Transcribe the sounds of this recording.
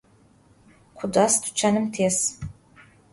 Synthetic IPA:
qʷʰʊdʷastʰu̥t͡ʃʰanɨmtʰes

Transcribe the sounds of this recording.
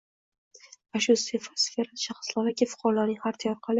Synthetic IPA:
vaʃʊsfefasfe̞ɾaʃaχɨ̥slaɾɒkʲɪfʊ̥qʰɒɾalaɾnɪŋhaɾt̪ʰajɒɾqʰɑlɪ

